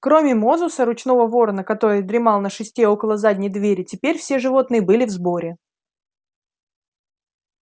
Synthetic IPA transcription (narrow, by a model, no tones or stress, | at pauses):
kɾo̞mʲɪmo̞zʊsəɾʊt͡ɕn̪o̞vəvo̞rnəkɐt̪o̞ɾɨjd̪ɾʲɪmɑlˠnəʂɨsʲtʲeo̞kəlˠəzadʲnʲɪjd̪vʲeɾʲɪtʲɪpʲeɾʲfsʲe̞ʐɨvo̞t̪nɨjəbɨlʲɪvzbo̞ɾʲɪ